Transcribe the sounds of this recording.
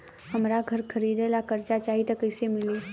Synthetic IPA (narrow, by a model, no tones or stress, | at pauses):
ɦəmɾaɡʱəɾkʰəɾiːd̪elakəɾt͡ʃat͡ʃaːɦit̪əkəɪsemɪliː